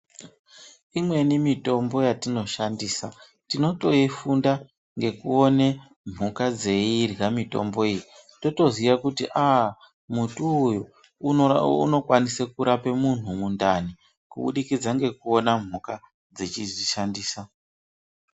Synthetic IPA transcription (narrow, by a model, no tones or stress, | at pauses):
imwe̞nimito̞mbo̞jatino̞ʃandiːsa | tino̞to̞ifunda | ŋɡe̞kuo̞ne | m̤ukad͡ze̞irɡamito̞mbo̞ijito̞to̞ziʋakutḭʔa | mutuːju | ṵno̞kwanisekuɾapemun̤umundani | kṵɓṵɗikid͡zaŋɡe̞kuo̞nam̤uka | d͡zet͡ʃiʐiʃandiːsa